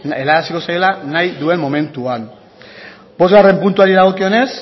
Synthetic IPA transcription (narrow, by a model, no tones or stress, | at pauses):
e̞laðasiko̞sajolanajðue̞mmːo̞me̞nt̪uan | bo̞zɣare̞mpunt̪uaɾieɾaɣ̞o̞kio̞ne̞s